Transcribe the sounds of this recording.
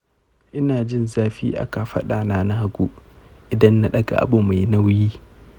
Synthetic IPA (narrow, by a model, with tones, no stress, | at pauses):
ʔɪ˦naː˨d͡ʒɪ˦˨nzaː˦ɸḭː˦ʔa̰˦ka˨ɸɐ̰˦ɗaː˨naː˦na˦ha˦ɡʷu˦ʔɪ˨dɐ˦nːa˦ɗɐ˦ɡa̰˨ʔa̰˨ɓoː˨ma˨jna˦wjiː˦